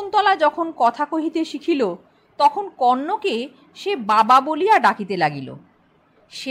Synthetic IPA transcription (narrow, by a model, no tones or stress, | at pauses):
nt̪ɔlad͡ʑɔkʰonkɔt̪ʰakoɦit̪eʃikʰilo | t̪ɔkʰonkɔnːoke | ʃebababolijaɖakit̪elaɡilo̰ | ʃe